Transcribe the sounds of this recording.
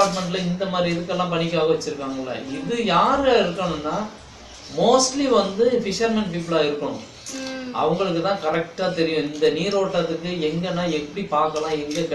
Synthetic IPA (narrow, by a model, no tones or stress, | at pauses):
aːɾʈmɛɳʈlɐɪnd̪ɐmaːd̪ɾiɛðɯkːɛlːãːpɐɳɪkːaːɣɐʋɐt͡ʃːɯɾɯkːaːŋɡɐlːɐ̰ɪðɯjaːɾɐɪɾɯkːɐɳɯnːaː | moːsʈliʋɐnd̪ɯfɪʂɐɾmɐnp̬iːp̬ɯɭaːɪɾɯkːɐɳʊ̰̃ | ʔɐ̰ʋɐŋɡɐɭɯk̬ːɯt̪ãːkɐɾɛk̚ʈaːt̪ɛɾɪjʊ̃ɪnd̪ɐniːɾoːʈːɐðɯkːɯɛŋɡɐnãːɛpːɐɽipaːɾkɐlãːɛŋɡɐkɐ